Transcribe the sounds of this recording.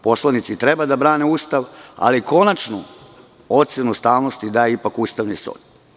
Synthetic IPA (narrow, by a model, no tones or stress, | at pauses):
po̞slˠanit̪sit̪ɾe̞bad̪abɾaːneuːst̪aʋa̰liko̞nat͡ʃnu | ot̪senust̪aːʋno̞st̪id̪aːjeipakuːst̪aʋnist̪o̰ːd̪